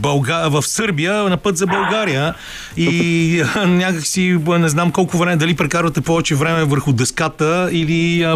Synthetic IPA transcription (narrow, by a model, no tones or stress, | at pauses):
bɐlˠɡavəfsɤɾbijənɐpɤt̪zɐbɐlˠɡaɾijə | i | nʲakəksinɛznamkɔlˠkʊvɾɛmɛd̪ɐlipɾɛkaɾvɐt̪ɛpɔvɛt͡ʃɛvɾɛmɛvəɾxʊd̪ɛskat̪əili